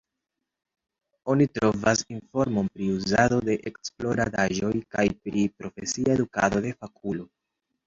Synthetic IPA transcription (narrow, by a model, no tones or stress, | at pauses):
o̞nitɾo̞vasinfo̞ɾmo̞npɾiuzado̞de̞ʔeksplo̞ɾadaʒo̞jkajpɾipɾo̞fe̞siaeduka̰do̞de̞fakʰulo̞